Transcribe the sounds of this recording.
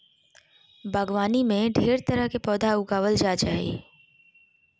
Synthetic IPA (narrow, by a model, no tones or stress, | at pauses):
bʱəɡʋaːnimẽɖʱeːɾt̪əɾəɦkepɔːd̪ʱaʊɡaːʋəld͡ʒaːd͡ʒaːɦḛː